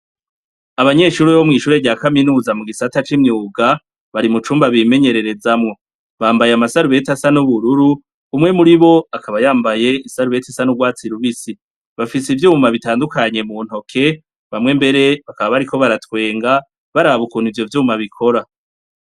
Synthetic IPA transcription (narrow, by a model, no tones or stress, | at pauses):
aβaɲe̞ːʃuɾuβomŋiːʃuːɾeɟaːkaminuːzamuɡisatat͡ʃimɲuːɡa | βaɾimut͡ʃuːmbaβime̞ɲe̞ɾe̞ɾe̞zamŋo̞ | βaːmbajamasaɾuβe̞tasanuβuɾuɾuː | mŋe̞muɾiβo̞akaβajaːmbaje̞isaɾuβe̞tasanuɡwaːt͡siɾuβisi | βafisivjuːmaβitaːndukaɲe̞mun̥o̞kʰe̞ | βamŋe̞mbe̞ɾe̞βakaβaβaɾikʰo̞βaɾatkwe̞ːŋɡa | βaɾaβukuːn̥ivjo̞vjuːmaβikʰo̞ɾa